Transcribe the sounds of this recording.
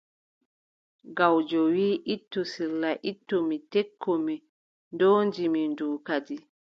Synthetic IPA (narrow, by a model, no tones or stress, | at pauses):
ɡawd͡ʒɔwiːʔitːusilːaʔitːumitɛkʰːɔmi | ndoːnd͡ʒiminduːkad͡ʒi